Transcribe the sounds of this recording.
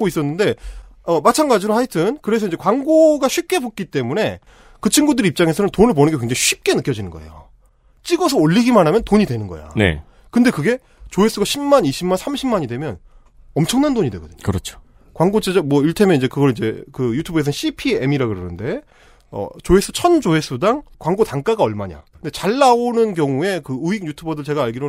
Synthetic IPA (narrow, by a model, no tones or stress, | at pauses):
k͈ois͈ʌnːɯnde̞ʌmat͡ɕʰanɡad͡ʑiɾohaitʰɯnkɯɾe̞s̬ʰʌiɲd͡ʑe̞kwaŋɡoɡaɕʰɥip̚k͈e̞bok͈̚it͈e̞mune̞ | kɯt͡ɕʰiŋɡudɯɾeip̚t͡ɕ͈aŋe̞sʰʌnɯntonɯɭp̬onɯnɡekwe̞ŋd͡ʑaŋiɕʰɥip̚k͈e̞nɯk͈jʌd͡ʑinɯnɡʌ̰e̞̰jo̰ | t͡ɕ͈iɡʌs̬ʰʌoʎːiɡimanɦamjʌntoɲidwe̞nɯnɡʌ̰ja̰nḛ | kɯnde̞kɯɡe̞ | t͡ɕoes͈ɯɡaɕʰimmaniɕʰimansʰamɕʰimaɲidwe̞mjʌ̰n | ʌmt͡ɕʰʌŋnandoɲidwe̞ɡʌdɯ̥̰ɲkɯɾʌt͡ɕʰo̥ | kwaŋɡot͡ɕed͡ʑʌmwʌiɭtʰemjʌnid͡ʑe̞kɯɡʌɭid͡ʑe̞̰kɯjutʰubɯes̬ʰʌnɕʰipʰiemiɾaɡɯɾʌnɯnde̞ | ʌ̰t͡ɕoes͈u̥t͡ɕʰʌnd͡ʑoe̞s͈udaŋkwaŋɡotaŋk͈aɡaʌɭmaɲa̰kɯnde̞t͡ɕaɭːaonɯnkjʌŋue̞kɯuiɡ̚ɲjutʰubʌdɯɭt͡ɕe̞ɡaːɭɡiɾo